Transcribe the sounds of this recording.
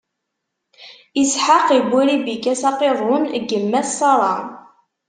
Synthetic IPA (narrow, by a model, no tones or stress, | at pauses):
isħaqibʷːiɾibikːæsɑqeðˤʊnɡəmːæssɑɾˤɑ